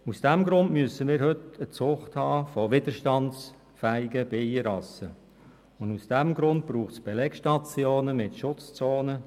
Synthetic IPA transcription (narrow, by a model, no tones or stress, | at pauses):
usd̥ɛmɡɾʊndmyəsəmiːɾhʏtət͡sʊχthɑːfɔʋɪdəɾʃtɑns | fæɪɡəb̥ejəɾɑsə | ʊndusd̥ɛmɡɾʊnt̚b̥ɾuːχtt͡sb̥ɛlɛkʃtɑt͡sjoːnəmɪtʃʊt͡st͡soːnə